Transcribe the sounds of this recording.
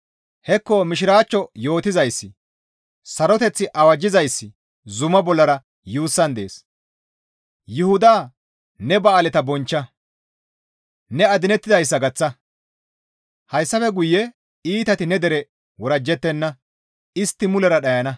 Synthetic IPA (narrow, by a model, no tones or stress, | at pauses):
hɛkːɔmɪʃɪɾaːt͡ʃːɔjo̞ːt̪ɪzɐjsːɪ | sɐɾɔt̪ɛt͡sːɪʔɐwɐd͡ʒːɪzɐjsːɪ | zʊmɐbɔlːɐɾɐ | juːsːɐnd̪e̞ːs | jʊhʊd̪aː | nɛbɐːlɛt̪ɐbɔnt͡ʃːɐ | nɛɐd̪ɪnɛt̪ːɪd̪ɐjs̬ːɐɡɐt͡sːɐ | hɐjsːɐfɛɡʊjːɛ | iːt̪ɐt̪ɪnɛd̪ɛɾɛ | wɔɾɐd͡ʒːɛt̪ːɛnːɐ | ɪst̪ːɪmʊlɛɾɐɗɐjɐnɐ